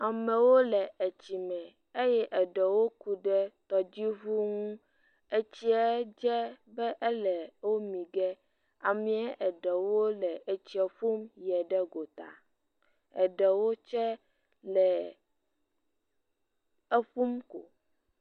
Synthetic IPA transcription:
a˨mɛ̃˨wo˦lɛ˨ɛ˨t͡ɕi˨mɛ̃˨ | e˦jɛ˦ʔɛ˨ɖɛ˨wo˦ku˨ɖɛ˦t̪ɔ˨d͡ʑi˦ɦu˦ŋũ˦ | e˨t͡ɕi˦ɛ˦d͡ʒɛ˦bɛ˦ʔɛ˦lɛ˨wo˦mĩ˨ɡɛ˦ | a˨mĩ˦ɛ˦ʔɛ˨ɖɛ˨wo˦lɛ˨e˨t͡ɕi˨ɛ˨ɸu˦mjɛ˨ɖɛ˦ɡo˨t̪a̰˨ | ɛ̰˨ɖɛ˨wo˦t͡ʃɛ˦ | lɛ˨ | ɛ˦ɸu˦mko̰˨

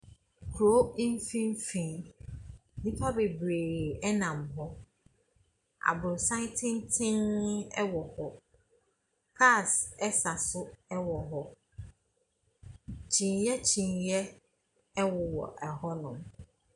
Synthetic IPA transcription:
kʰɾo˦i˦m˦fĩ˦m˦fĩ˨n | nĩ˦pʰa˦be˨bɾeː˨ɛ˦nã˨mɦɔ˦ | a̰˨bʊ˨sã˦n˦tʰɪ̃˦ntʰɪ̃˦ŋɛ˦wɔ˨hɔ˦ | kʰa˦˨sɛ˦sa˨sʊ˦ɛ˦wɔ˨ɦɔ˦ | t͡ɕʰĩ˨njɛ˦t͡ɕʰĩ˨njɛ˦ | wʊ˨wɔ̰˨ʔɛ˨hɔ˦nʊ̃˨m

